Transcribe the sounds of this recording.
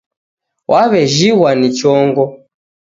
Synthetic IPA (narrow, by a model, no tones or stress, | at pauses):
wʔaβɛʒiɣwanit͡ʃɔŋɡɔ